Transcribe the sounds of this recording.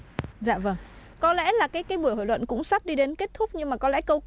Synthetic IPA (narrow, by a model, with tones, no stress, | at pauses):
za̰ː˧˨və˧˩ŋ | kɔ˨˦lɛ̰˧˥laː˨˩kaː˨˦jkaː˨˦jɓu˧˩əho̰˧˨lwə̰˧˨nkʊ̰˧˥ŋ͡msa˦˥p̚ɗi˧ɗe˨˦nke˦˥t̚t̪ʰʊ˦˥k͡p̚ɲɨ˧ŋmaː˨˩kɔ˨˦lɛ̰˧˥kə˧w